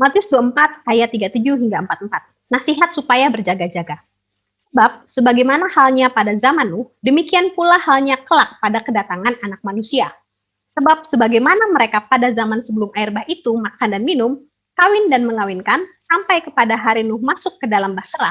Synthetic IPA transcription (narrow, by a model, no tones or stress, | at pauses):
mat̪jʊsd̪uəmpat̪̚ajat̪ːiɡat̪ud͡ʒuɦiŋɡaəmpat̪̚əmpat̪̚ | nasiɦat̪supajabərd͡ʒaɡad͡ʒaɡa | səbap̚səbaɡajmanahalɲapadazamanːʊhdəmikianpulahalɲakəlak̚padakədat̪aŋananak̚manusia | səbap̚səbaɡajmanaməɾekapadazamansəbəlʊmʔaɪrbahit̪umakandanminʊm | kawɪndanməŋawɪnkansampajkəpadaɦaɾinʊhmasʊkːədalambahsəɾa̰